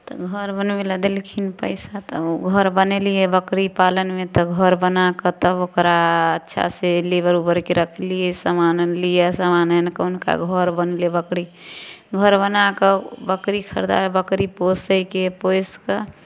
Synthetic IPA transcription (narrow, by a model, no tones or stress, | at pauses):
t̪ɔɡʱəɾbənmeləd̪elkʰinpəɪsat̪əoɡʱəɾbənelijɛbəkɾipalənmet̪ɔɡʱəɾbənakət̪əokɾaətːʃʰa̰selebəɾubəɾkeɾəkʰlijɛsəmanəlijɛsamanənkəunka̰ɡʱəɾbəneliɛbəkɾi | ɡʱəɾbənakəbəkɾikʰəɾd̪a̰ɾbəkɾiposəjkepojskə